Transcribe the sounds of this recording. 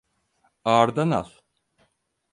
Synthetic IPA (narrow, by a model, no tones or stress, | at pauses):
aːɾd̪ana̰l